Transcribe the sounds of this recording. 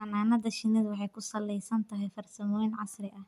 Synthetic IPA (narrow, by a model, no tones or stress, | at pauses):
ɐnaːnɐðɐʃɪnɪðwɑħɑjkʰʊsɐlːɛjsɐnt̪ʰɐɦɛjfɐrsɐmɔːjnʕɑsrɪʔɐh